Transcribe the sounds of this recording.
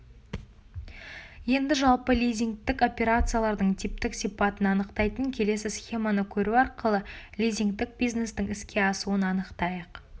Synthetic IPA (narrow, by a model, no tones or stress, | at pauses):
je̞nd̪ɪʒɑlˠpəlʲijzʲiŋɡt̪ɪko̞pʲe̞ɾat̪sɨjalˠɑɾd̪əɴt̪ʰip̚t̪ɪksijpɑt̪ənɑnəqt̪ɑjt̪əŋkʲʰe̞le̞s̬ɪsχʲe̞manəkʲʰɵɾuɑɾqəlˠəlʲijzʲiŋɡt̪ɪk̚bʲijzne̞st̪ɪŋɪskʲe̞ɑsuənɑnəqt̪ɑjəq